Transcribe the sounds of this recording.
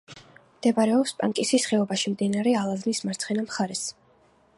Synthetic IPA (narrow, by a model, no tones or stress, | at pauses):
md̪̥ɛbaɾɛɔpspʼa̰ŋkʼisisχɛɔbaʃimd̪inaɾɛalˠaznismaɾt̪sʰχɛnamχaɾɛs